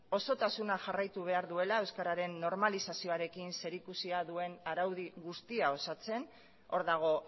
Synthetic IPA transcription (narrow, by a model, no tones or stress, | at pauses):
o̞so̞t̪asunaʝarajt̪uβ̞e̞aɾðue̞lae̞wskaɾaɾe̞nːo̞ɾmalisasio̞aɾe̞kinse̞ɾikusiaðue̞naɾawð̞iɣust̪iao̞sat͡se̞n | o̞ɾðaɣ̞o̞